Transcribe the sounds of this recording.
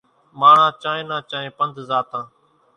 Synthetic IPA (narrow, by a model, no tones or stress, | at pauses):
maːɳ̤ãːt͡ʃãːẽːnãːt͡ʃãːẽːpənd̪ʱzaːt̪ãː